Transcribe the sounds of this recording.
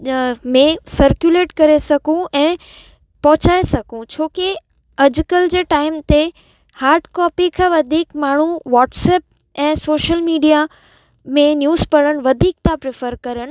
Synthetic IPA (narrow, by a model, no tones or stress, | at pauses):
mẽsɐɾkjuleːʈkɐɾesɐɡʱũɛ̃ː | pɐɦʊt͡ɕaːesɐɡʱũt͡ɕʰoːke | ɐd͡ʑkəld͡ʑeːʈaːɪmt̪e | haːɾɖkɔːpikʰaʋɐd̪ʱiːkmaːɳ̤ũʋɔːʈsɛːp̚ | ɛ̃ːsoːʃəlmiːɖija | mẽnjuːzpɐɽəñ̆ʋɐd̪ʱiːk̚t̪ãpɾɪfəɾkɐɾəñ̆